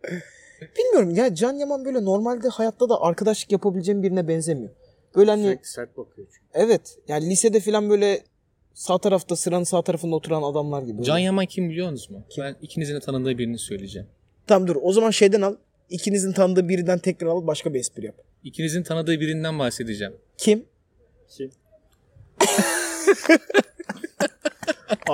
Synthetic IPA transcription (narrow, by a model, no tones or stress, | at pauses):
b̥ilʲmijo̞ɾumjaːnid͡ʒanjamanbø̞jlʲɛno̞ɾmalʲd̪ɛhajat̪ʰlːˠad̪aʔaɾkʰad̪aʃlˠɯ̥kjapʰabilʲed͡ʒeːimbiɾinɛbɛnzemijo̞ | b̥øjlʲɛhani̥at̪̚bakʰɯjo | ɛvɛt̪jaːnilʲised̪ɛfilʲanbø̞jlʲɛ | saːt̪ʰaɾaft̪ʰasɯɾanɯnsaːt̪ʰaɾafɯnd̪aot̪ʰuɾanad̪amlˠaɾɟibibd͡ʒanjamancʰimbilʲijoɾnuzmʊcʰiænicʰinizinit̪ʰanɯd̪ɯːbiɾinisø̞jlʲed͡ʒɛ̰m | t̪ʰamd̪uɾo̞zamanʃe̞jd̪ænalˠ | icʰinizinit̪ʰanɯd̪ɯːbiɾind̪ænt̪ʰɛc̚næɾalˠbaʃkabiɛspiɾjap̚ | icʰinizinit̪ʰanɯd̪ɯːbiɾind̪ænbahse̞d̪id͡ʒɛm | cʰim | cʰim